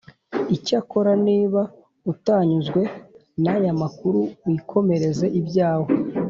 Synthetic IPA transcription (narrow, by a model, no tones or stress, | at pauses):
icako̞ɾaniːβa | utaːɲuzɡwe̞ | najamakuɾuikʰo̞me̞ɾe̞ze̞ʔibɟaːwo